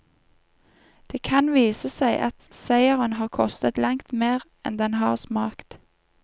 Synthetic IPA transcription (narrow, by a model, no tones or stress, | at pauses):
d̪̥eːkʰɑnʋiːsəsæɪʔɑt̪sæɪəʁənhɑːʁkʰɔst̪ət̪lɑŋt̪meːʁ | ɛ̰nd̪ɛnhɑːʁsmɑːkt̪